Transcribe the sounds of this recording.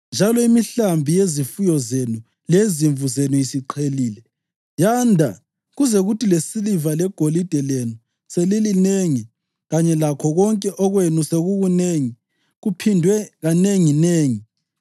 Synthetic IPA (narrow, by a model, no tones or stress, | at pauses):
nd͡ʒʱalɔimiɬambʱijezifujɔzenu | leziɱvuzenuisiǃʰeliːlɛ | jandʱa | ɣuzɛɣutʰilesilivalɛɡ̥ʱolid̥ʱɛlenu | selilineŋi | ɣaɲɛlakʰɔɣɔŋkʼɛʔɔɣwenuseɣuɣuneːŋi | ɣupʰindʱwɛɣaneŋineːŋi